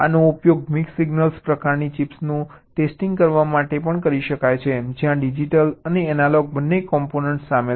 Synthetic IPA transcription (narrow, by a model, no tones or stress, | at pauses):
a̰noupjoɡmiksiɡnəlspɾəkaɾnit͡ʃipsnũ | ʈesʈiŋɡkəɾʋamaʈepəɳkəɾiʃəkajt͡ʃʰed͡ʒjãɖid͡ʒiʈələneɛnalɔɡ̚bənːekɔmponəɳʈsːame